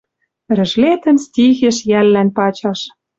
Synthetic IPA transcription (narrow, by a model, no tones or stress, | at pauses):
rɘ̆ʒlet̪ə̆nstʲiɣĕʃjælːænpɑt͡ɕɑʃ